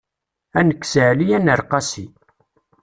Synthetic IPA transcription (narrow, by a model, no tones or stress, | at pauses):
ænəkːsəʕlijænəɾˤqɑsi